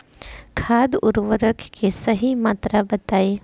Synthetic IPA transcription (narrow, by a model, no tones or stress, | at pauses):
kʰaːd̪ʊɾʋəɾəkʰkesɐɦimaːt̪ɾabɐt̪aːeː